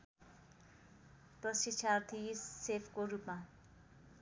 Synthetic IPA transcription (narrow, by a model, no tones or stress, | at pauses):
prʌsit͡ʃʰart̪ʰisepʰkoɾupma